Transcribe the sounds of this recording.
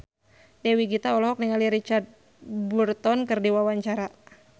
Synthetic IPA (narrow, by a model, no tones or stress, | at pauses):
dɛwiɡit̪aɔlɔɦɔk̚niŋaliɾit͡ʃart̪̚ | burt̪ɔnkɨrdiwawaɲt͡ʃaɾa